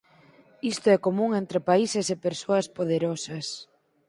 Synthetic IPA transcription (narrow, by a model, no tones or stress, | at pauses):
ist̪oɛkomũŋent̪ɾepaisesepeɾsoɐspoð̞eɾɔsɐs